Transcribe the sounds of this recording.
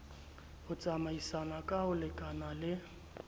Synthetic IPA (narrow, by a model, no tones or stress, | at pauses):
hʊt͡sʼamaisanakʼahʊlɪkʼanalɪ